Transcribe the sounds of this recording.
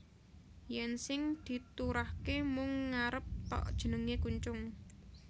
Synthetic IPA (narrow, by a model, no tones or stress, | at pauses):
jɛnsɪŋd̪̥i̤t̪uɾahkemʊŋːaɾəp̚t̪ɔ̰ʔd̥ʒ̥ə̤nəŋekuɲt͡ʃʊŋ